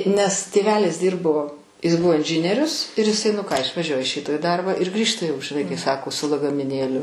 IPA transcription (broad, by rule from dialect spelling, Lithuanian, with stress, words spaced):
nʲɛs tʲeːˈʋʲæːlʲɪs ˈdʲiːrboː ɪs ˈbʊʋoː ɪnʲˈʒʲɪnʲiɛrʲʊs ɪr ɪˈsɐɪ nʊ ˈkɑː ɪʃʋɐˈʒʲuɔjɛ ɪʃ ˈrʲiːtoː iː ˈdɐrbɑː ɪr ˈɡrʲiːʃtɐ jɛʊ ʒʲɪˈnɐɪ kɐɪ ˈsɑːkoː sʊ lˠɐɡɐmʲɪˈnʲeːlʲʊ